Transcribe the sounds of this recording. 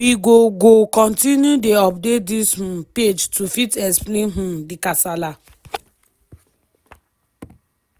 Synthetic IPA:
wiɡoɡokɔ̃ntinjudeɔpdetdishũped͡ʒtufitɛksplẽnɦũdikasala

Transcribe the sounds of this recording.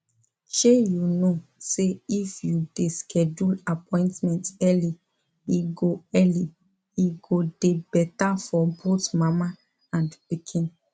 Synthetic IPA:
ʃejunoseifjudeskʰɛd͡ʒulapʰɔ̃ɪ̃ntmɛ̃ntɛli | iɡoɛli | iɡodebɛtafɔbotmama | ãndpikʰĩn

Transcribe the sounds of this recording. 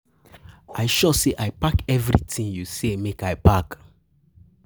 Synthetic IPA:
aɪʃɔseʔaɪpakɛvɾḭtĩnjusemekaɪpak

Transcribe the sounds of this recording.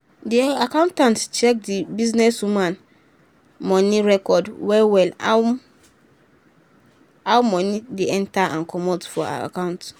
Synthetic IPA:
diakãʊ̃ntãntt͡ʃʰɛk̚dibiznɛswumãn | mɔ̃nĩɹɛkɔdwɛwɛla | awmɔ̃nĩdeɛ̃ntaʔãnkʰɔmɔtfɔa̰a̰kãʊ̃nt

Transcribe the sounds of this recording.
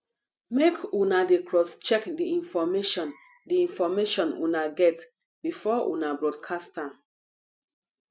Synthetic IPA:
mekʰunadekʰɹɔst͡ʃɛkdiĩnfɔmeʃɔ̃n | diĩnfɔmeʃɔ̃nṵnaɡɛt | bifɔʔṵnabɹɔdkʰastãn

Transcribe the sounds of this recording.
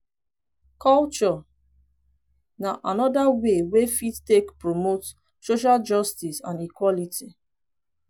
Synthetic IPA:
kʰɔlt͡ʃɔ | naʔanɔdawewefittekpɹomot | soʃ̬ald͡ʒɔstisãnikwɔliti

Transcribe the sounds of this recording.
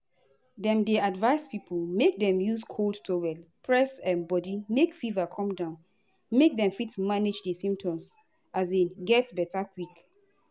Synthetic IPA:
dɛ̃mdeadvaɪspipʰulmek̚dɛ̃mjuskʰoldtʰowɛlpʰɹɛsɛ̃nbɔdimekfivakʰɔ̃mdãʊ̃n | mek̚dɛ̃mfitmaned͡ʒdɛsĩmp̚tʰɔ̃ms | ʔaseɡɛtbɛtakwik

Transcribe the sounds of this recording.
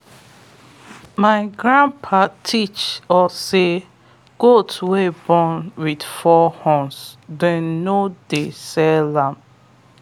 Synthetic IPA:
maɪɡɹãnpʰatʰit͡ʃɔse | ɡ̥otʰwebɔ̃nwid̥fɔhɔ̃nsdɛ̃nːodesɛlãm

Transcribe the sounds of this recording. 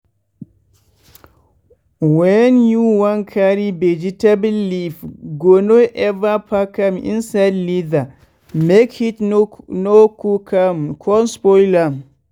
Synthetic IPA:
wɛnjuwankʰaɾibɛd͡ʒitabilːifɡonoʔɛvapʰakamḭnsadliða | mekhitnokukʰamkʰɔnspɔjlam

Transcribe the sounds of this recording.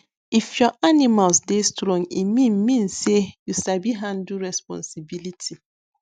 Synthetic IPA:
ifjɔʔanimalsdestɾɔ̃ŋimĩnmĩnsejusabiɦãn̩duɾɛspɔ̰̃nsibilitʰi

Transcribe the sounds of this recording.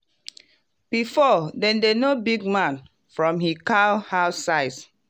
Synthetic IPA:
b̥ifɔdɛ̃ndenobiɡ̚mãn | fɹɔ̃mɦikahaʊsaɪs

